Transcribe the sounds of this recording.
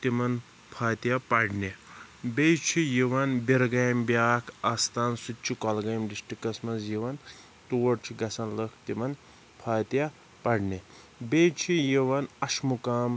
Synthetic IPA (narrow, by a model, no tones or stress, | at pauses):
t̪imɐn | pʰaːt̪japɐɖnebejt͡ʃʰijiʋɐnbiɾɡɐjmbjaːkʰaːst̪ʰaːnsutt͡ʃʰikɔlɡɐjmɖisʈikɐsmɐs̬jiʋɐn | t̪uːɐɾt͡ʃʰiɡɐsɐnlɐkʰt̪imɐn | pʰaːt̪ja | pɐɽne | bejt͡ʃʰijiʋɐnɐʃmukaːm